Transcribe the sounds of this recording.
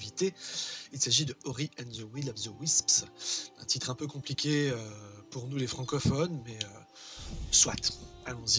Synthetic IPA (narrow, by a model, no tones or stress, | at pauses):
vit̪eilsaʒid̪əɔʁiʔɛ̃nzəwilabzəwispsɛ̰̃t̪it̪χɛ̃pøkɔ̃plikʲeøpuʁnulefχɑ̃kɔfɔnmɛø | swa̰t̪alɔ̃zi